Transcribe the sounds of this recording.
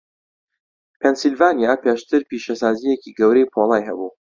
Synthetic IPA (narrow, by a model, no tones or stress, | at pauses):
pʰensilvaːnijaːpeːʃt̪ɨɾpiːʃɐsaːzijeciɡɐwɾejpʰoːlˠaːjɦɐ̰buː